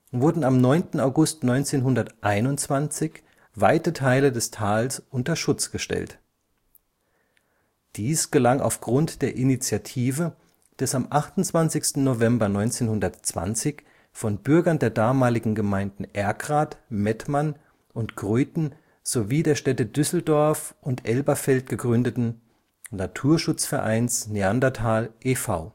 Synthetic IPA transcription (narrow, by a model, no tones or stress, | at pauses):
vʊɐdn̩amnɔʏntn̩aʊɡʊstnɔʏnt͡seːnɦʊndɐtʔaɪnʊnt͡sv̥ant͡sɪç | vaɪtətʰaɪlədɛstʰaːlsʔʊntɐʃʊt͡sɡ̥əʃtɛ̰lt | d̥iːsɡ̥əlaŋʔa̰ʊfɡ̥ʁʊntd̥eːɐʔinit͡sjatʰiːvə | d̥ɛsamʔaχtʊnt͡sv̥ant͡sɪçstn̩novɛmbɐnɔʏnt͡seːnhʊndɐtt͡sv̥a̰nt͡sɪç | fɔnbʏɐɡɐndeːɐdaːmaːlɪɡŋ̩ɡəmaɪndn̩ʔɛɐɡʁaːtmɛtman | ʔʊntɡ̥ʁøːtn̩ | z̥oviːdeːɐʃtɛtədʏsl̩dɔɐfʔʊntʔɛlbɐfɛlt̚ɡ̥əɡʁʏndətn̩ | natʰuːɐʃʊt͡sfɛɐʔa̰ɪnsneandɐtʰaːlʔeːfa̰ʊ